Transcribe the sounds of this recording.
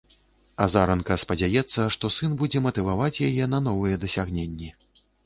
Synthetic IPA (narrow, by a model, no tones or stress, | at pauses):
azaɾɐnkɐspɐd͡zʲajɛt̪sːɐʂt̪ɔsɨnbud͡zʲɛmɐt̪ɨvavat͡sʲjajɛnɐnɔvɨjɛd̪ɐsʲaɣnʲenʲːi